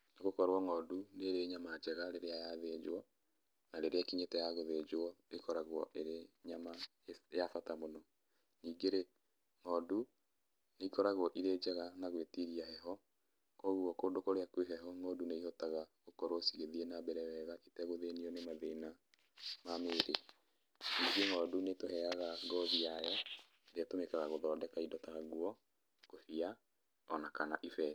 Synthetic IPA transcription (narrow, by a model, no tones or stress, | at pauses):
naɣokɔɾwɔŋɔduneɾeɲamad͡ʒɛɣaɾeɾeajaðed͡ʒwɔ | naɾeɾeakiɲetɛjaɣoðed͡ʒwɔekɔɾaɣwɔ̰ʔeɾeɲama | eafatamonɔ | niːɡeɾe | ŋɔːdu | neikɔɾaɣwɔʔiɾeːd͡ʒɛɣanaɣwetiɾiahɛɦɔ | kɔɣwɔkoːndokoɾeakweɦɛɦɔŋɔduneihɔtaɣaɣokɔɾosiɣeðiɛnabɛɾɛwɛɣaʔetɛɣoðeniɔnemaðena | manoːɾe | niɡeŋɔːdunetohɛaɣaɡɔðiajɔ | ɾeatomekaɣaɣoðɔːdɛkaidɔtaɣaɣwɔ | kofia | ɔnakanaʔifɛ